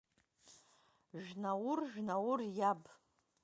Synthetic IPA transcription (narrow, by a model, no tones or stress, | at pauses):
ʒnawʊrʒᶣnawʊrjab